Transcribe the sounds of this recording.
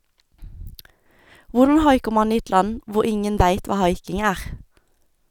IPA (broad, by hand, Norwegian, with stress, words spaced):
ˈʋʊʁdn̩ ˈhɑɪkəʁ ˈmɑn ˈiː ˈɛt ˈlɑn ˈʋʊʁ ˈɪŋən ˈʋæɪt ˈʋɑː ˈhɑɪkɪŋ ˈæːʁ